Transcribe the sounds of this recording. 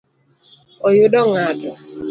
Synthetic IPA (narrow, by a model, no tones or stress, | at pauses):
ɔjʊdɔŋatɔ